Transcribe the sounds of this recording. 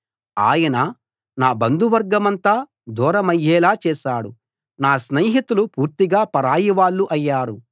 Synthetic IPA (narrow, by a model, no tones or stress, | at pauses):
a̰ːjɐnɐ | naːbɐnd̪uʋɐɾɡɐmɐnt̪aː | d̪ɔːɾɐmɐjːɛːlaːt͡ʃɛːʃaːɽu | naːsneːɦit̪ulupuːɾt̪iɡaːpɐɾaːjiʋaːɭːuʔɐjːaːɾu